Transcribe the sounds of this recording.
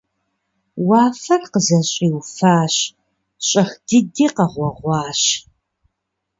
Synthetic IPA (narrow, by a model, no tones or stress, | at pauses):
wɑːfɐrqəzɐɕʼiːwfaːɕ | ɕʼɐxd̥ɨdiːqɐʁʷɔʁʷɑːɕ